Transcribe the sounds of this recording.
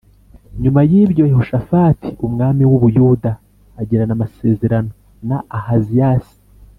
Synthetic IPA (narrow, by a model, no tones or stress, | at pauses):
ɲumajiːbɟo̞jehoʃafaːti̥umŋaːmiwuβujuːdaː | ɟeɾanamase̞ːze̞ɾano̞ | naahazijasi̥